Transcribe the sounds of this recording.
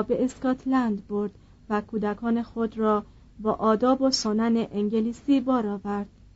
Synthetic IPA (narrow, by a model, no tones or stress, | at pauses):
be̞eskɒt̪ʰlænd̪boɾd̪̥ | vækʰuːd̪ækʰɒːne̞xod̪ɾɒː | bɒːʔɒːd̪ɒːbosonæneʔeŋɟeliːsiːbɒːɾɒːvæɾd̪̥